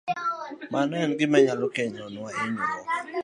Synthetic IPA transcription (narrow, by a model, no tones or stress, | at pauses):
manɛnɡɪmɛɲalɔkeɲɔnaɪɲuɔ